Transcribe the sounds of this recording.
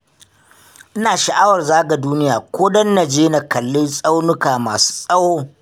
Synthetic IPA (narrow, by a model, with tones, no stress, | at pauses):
ʔɪ˦naː˨ʃa˨ʔa˦wɐ˨rzaː˦ɡa˨duː˦nɪ˦jaː˨kʷoː˦dɐ˦nːa˨d͡ʒeː˦na˨kɐ˨lːɪ˦nsʼa˦wnʊ˦kaː˨maː˨su̥ː˦sʼɐ˦woː˦